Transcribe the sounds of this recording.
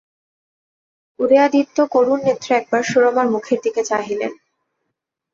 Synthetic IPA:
uɾead̪it̪ːokoɾunːet̪ːɾeɛk̚baɾʃuɾomaɾmukʰeɾd̪iket͡ɕaɦilḛn

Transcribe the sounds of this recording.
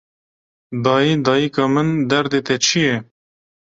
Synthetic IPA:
d̪ɑːjid̪ɑːjikɑːmɨnd̪ɛɾd̪eːt̪ɛt͡ʃʰijɛ

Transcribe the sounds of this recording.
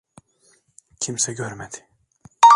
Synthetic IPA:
cʰimsɛɟøɾmed̪ɪ̥

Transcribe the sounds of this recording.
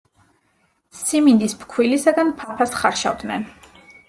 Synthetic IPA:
simind̪ispʰkʰwilisaɡanpʰapʰasχaɾʃa̰vd̪nɛ̰n

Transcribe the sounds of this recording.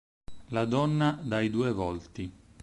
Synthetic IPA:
lad̪ɔnːad̪ajd̪uːevɔlt̪i

